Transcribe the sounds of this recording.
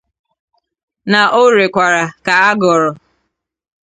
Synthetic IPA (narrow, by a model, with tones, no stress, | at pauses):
na˨ʔo˦˨ɾe˨kʷa˨ɾa˨ka˨a˦ɡɔ˨ɾɔ˨